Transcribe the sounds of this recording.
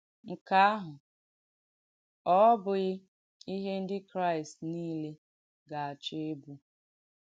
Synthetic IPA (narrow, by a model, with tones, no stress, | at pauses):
ŋ̩˨ka˨a˦ɦʊ˨ | ɔ˦bʊ˨ɣɪ˦ | i˦ɦe˦n̩˦dɪ˦kɾa˦˨ɪ˨stniː˦le˦ | ɡa˨a˨t͡ʃe˦e˦bu˦